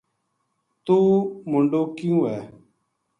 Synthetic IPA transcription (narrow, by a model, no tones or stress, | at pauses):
t̪oːmʊɳɖoːkɪjũːɦɛː